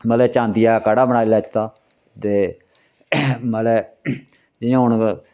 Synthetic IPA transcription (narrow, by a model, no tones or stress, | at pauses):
məlɛːt͡ʃãːnd̪ɪjaːkaɽaːbənaːilaːt͡ʃt̪aː | t̪eː | məlɛː | d͡ʒɪjãːɦʊɳ